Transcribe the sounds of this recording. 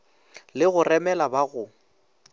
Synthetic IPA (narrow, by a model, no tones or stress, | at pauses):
lɪɣʊrɛmɛlabaɣʊ